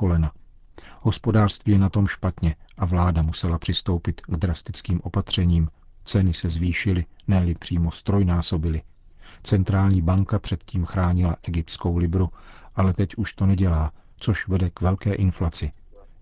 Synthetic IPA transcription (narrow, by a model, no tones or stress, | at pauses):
olɛna | ɦo̞spo̞daːr̥st̪viːjɛnat̪o̞mʃpat̪ɲɛʔavlaːdamusɛlapr̥ɪst̪o̞wpɪt̪ɡd̪ɾast̪ɪt͡skiːmʔo̞pat̪r̝̥ɛɲiːmt͡sɛnɪsɛzviːʃɪlɪnɛːlɪpr̝̥iːmo̞st̪ɾo̞jnaːso̞bɪlɪ | t͡sɛnt̪ɾaːlɲiːbaŋkapr̥ɛt̪ciːmxɾaːɲɪlaʔɛɡɪp̚t̪sko̞wlɪbɾuʔalɛt̪ɛcʔuʃt̪o̞nɛɟɛlaː | t͡so̞ʃvɛdɛkvɛlkɛːʔɪnflat͡sɪ